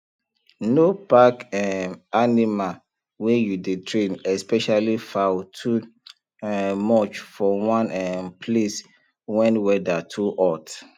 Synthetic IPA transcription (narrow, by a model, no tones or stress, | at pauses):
nopakɛanima | wejudetʰɹẽnɛspɛʃalifawtʰu | mɔt͡ʃfɔwãnɛpʰles | wɛ̃nwɛdatʰuʔɔt